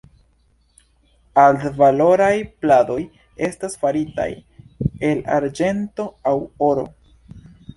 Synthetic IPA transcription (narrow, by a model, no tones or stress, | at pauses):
aldvalo̞ɾajplado̞j | e̞stasfaɾita̰je̞la̰ɾd͡ʒe̞nto̞awoɾo̞̰